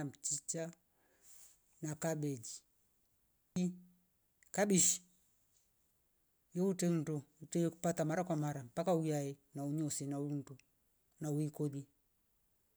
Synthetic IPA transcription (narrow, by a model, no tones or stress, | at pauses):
m̩t͡ʃit͡ʃa | nakaɓɛd͡ʒi | i | kaɓiʃi̥ | jɔutɛn̩dɔutɛku̥patamaɾakwamaɾampakaujaɛnauɲɔsɛnaun̩du | nawikɔli